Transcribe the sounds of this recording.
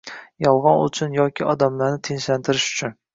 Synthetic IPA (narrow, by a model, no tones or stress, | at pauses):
jɒlˠʁɑnʊ̰t͡ʃʰʊnjɒkʲʰɪɒd̪amlaɾnɪt̪ʰenʃlant̪ʰɪɾɪʃʊ̥t͡ʃʰʊn